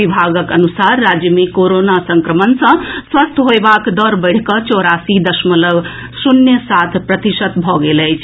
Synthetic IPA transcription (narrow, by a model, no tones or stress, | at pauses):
ibʱaɡəkənusaɾːad͡ʒjəmikoɾonasəŋkɾəmənsʌ̃swəst̪ʰɦoebakd̪əɾbəɪɽ̤kʌt͡ʃɔɾasid̪əsmələɡ | sunjəsat̪ʰpɾət̪isət̪bʱɔɡeləjt͡ʃʰ